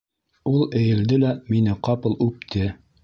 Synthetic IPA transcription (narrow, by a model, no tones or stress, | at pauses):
ulˠɘ̆jɘ̆ld̪ɘlæminɘqɑpɤ̆lˠʉp̚t̪ʰɘ